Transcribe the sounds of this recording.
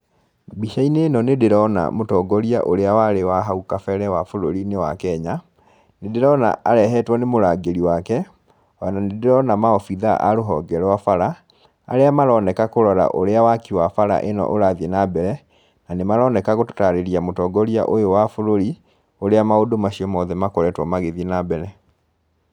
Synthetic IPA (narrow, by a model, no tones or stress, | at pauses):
biʃainenɔnedeɾɔna̰motɔːɡɔɾia̰ʔoɾeawaɾewaɦaukafɛɾɛwafoɾoɾinewakɛɲa | nedeɾɔna̰aɾɛɦɛtwɔnemoɾaɡeɾiwakɛ | ɔjananedeɾɔnamaɔfiðaʔa̰ɾoɦɔːɡɛɾwafaɾa | a̰ɾeamaɾɔnɛkakoɾɔɾa̰ʔoɾeawakiwafaɾa̰ʔenɔ̰ʔoɾaðienabɛɾɛ | nanemaɾɔnɛkaɣoto̥taɾeɾiamotɔːɡɔɾia̰ʔojowafoɾoɾi | oɾeamaodomaɕiɔmɔðɛmakɔɾɛtwɔmaɣeðinabɛɾɛ